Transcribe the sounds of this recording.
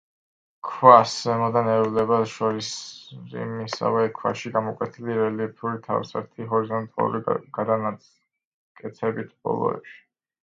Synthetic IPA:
kʰwasɛmɔd̪anɛɾvlɛbaʃɔɾisɾḭmisa̰vɛkʰwa̰ʃiɡamɔkʼwɛt̪ʰiliɾɛlipʰuɾit̪ʰa̰vsa̰ɾt̪ʰiɦɔɾizɔnt̪ʼa̰lˠṵɾiɡ̥ad̪ana | kʼɛt̪sʰɛbit̪ʰb̥ɔ̰lˠɔ̰ɛ̰pʃi̥

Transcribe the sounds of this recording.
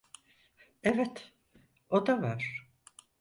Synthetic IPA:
evɛt̪ | od̪avaɾ̥

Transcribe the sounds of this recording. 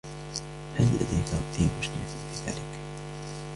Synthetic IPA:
halːa̰d̪ajkaʊt̪iːmʊʃnɪt̪ːfiːða̰ːlɪk

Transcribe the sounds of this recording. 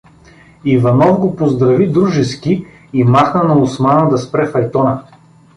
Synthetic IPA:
ivɐnɔvɡopozd̪ɾɐvid̪ɾuʒɛskʲi | imaxnɐnɐʊsmanəd̪ɐspɾɛfɐjt̪ɔnɐ

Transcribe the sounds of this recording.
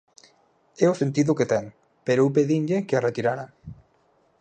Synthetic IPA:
ɛosent̪iðʊket̪ɛŋ | peɾoup̬eðiɲʎekearet̪iɾaɾa

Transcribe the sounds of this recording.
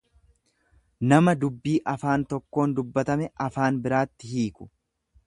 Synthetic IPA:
nɐmɐd̪ʊbːiːʔɐfaːnt̪ɔkːo̞ːnd̪ʊbːɐt̪ɐmɛʔɐfaːnbɪɾaːt̪ːɪhiːkʊ̥

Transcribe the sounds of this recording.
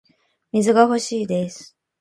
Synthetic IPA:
mʲizɨɡaho̞ɕiːd̪esɨ̥

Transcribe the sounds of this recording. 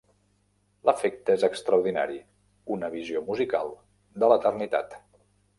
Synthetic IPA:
ləfek̚t̪əezəkst̪ɾəwɾðina̰ɾi | unəβiziomuzika̰lˠ | d̪ələt̪ərnit̪a̰t̪

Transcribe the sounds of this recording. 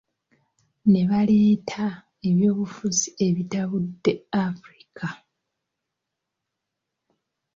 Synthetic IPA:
ne̞βale̞ːtʰa | e̞βjo̞ːβufuzie̞βitaβudːe̞afuɾi̥kʰa

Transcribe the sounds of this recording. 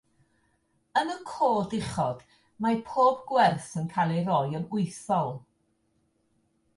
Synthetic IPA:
ənəkʰoːdɪχɔd̥ | mapʰoːbɡwɛrθənkʰalˠeɾɔjənʊɨθɔlˠ

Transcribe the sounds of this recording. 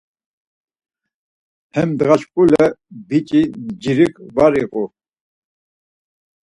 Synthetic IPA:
hɛmd̪ɣaʃkʼulɛbit͡ʃʼid͡ʒiɾikvaɾiqʼu

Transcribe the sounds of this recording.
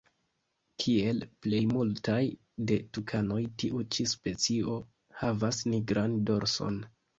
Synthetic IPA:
kʰie̞lple̞jmultaj | de̞tukʰano̞jtiʔut͡ʃispe̞t͡sio̞ | havasniɡɾando̞ɾso̞̰n

